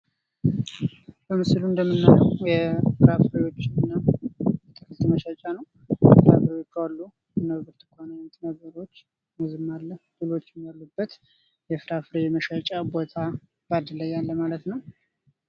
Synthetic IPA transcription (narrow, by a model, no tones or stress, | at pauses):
bəmɨsluɨnd̪əmːɨnːajəwjɛfɨɾafɨɾewo̞t͡ʃːɪɨnːajɛt̪ʰʼɨfɨt̪ʼːməʃat͡ʃʼanəw | fɨɾafɾewot͡ʃːalːu | ɨnəβɨɾt̪ʰɨ̥kʰonant̪ʼnəɡəɾo̞t͡ʃː | məzɨmːalːəd̪ɨlo̞t͡ʃːɪmalːubːət̪ | jɛfɨɾafɨɾejɛməʃat͡ʃʼabo̞t̪ʰa | bad̪əlːəjːalːəmalət̪nəw